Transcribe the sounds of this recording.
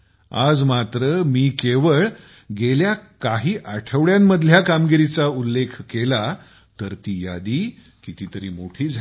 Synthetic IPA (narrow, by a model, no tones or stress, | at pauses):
a̰d͡zmat̪ɾəmiːkeʋəɭ | ɡeljakaɦiːʔaʈʰəʋɭjamːəd̪ʱljakamɡiɾit͡saulːekʰkela | t̪əɾt̪iːja̰d̪iː | kit̪iːt̪əɾiːmoʈʰiːd͡zʱ